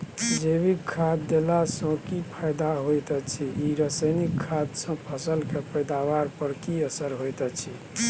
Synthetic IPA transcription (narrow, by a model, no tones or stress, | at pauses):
d͡ʒeβikʰːad̪ːelasə̃kipʰajd̪aɦojt̪ət͡ʃʰiiɾəsəjnikʰːad̪sə̃pʰəsəlkepəjd̪abaɾpəɾkiəsəɾɦojt̪ɛt͡ʃʰi